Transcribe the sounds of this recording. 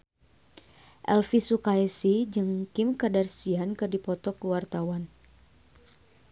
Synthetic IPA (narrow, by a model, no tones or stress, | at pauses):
ʔɛlfisukaisid͡ʒɨŋkɪmkadarsiankɨrdipɔt̪ɔkəwart̪awan